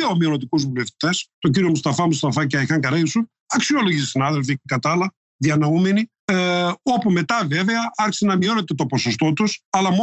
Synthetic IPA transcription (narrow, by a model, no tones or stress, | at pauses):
eomio̞not̪ikuzvule̞ft̪i̥t̪e̞st̪o̞ɲɟiɾio̞must̪ɐfɐmust̪ɐfɐc̬ɐxɐŋkɐɾɐjusu | ɐksio̞lo̞ʝissinɐðe̞lfiekɐt̪ɐlɐ | ðiɐnɐume̞ni | o̞pume̞t̪ɐve̞ve̞ɐɐɾçi̥senɐmio̞ne̞t̪e̞t̪o̞po̞so̞s̬t̪o̞t̪usɐlɐmo